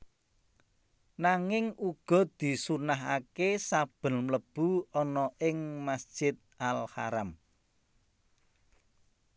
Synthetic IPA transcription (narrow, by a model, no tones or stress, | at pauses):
naŋɪŋuɡ̥ɔ̤d̪̥i̤sunaɦa̰kesab̥ə̤nmləb̥uɔnɔʔɪŋmasd̥ʒ̥ɪt̪̚ʔalha̰ɾam